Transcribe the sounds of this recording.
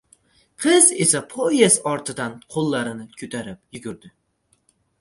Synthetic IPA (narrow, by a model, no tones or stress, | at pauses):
qʰɨze̞sapʰoesɒɾt̪ʰɪd̪anqʰolˠːaɾɪnɪkʲʰʊt̪ʰaɾɪpjʊɡʲʊɾd̪ɪ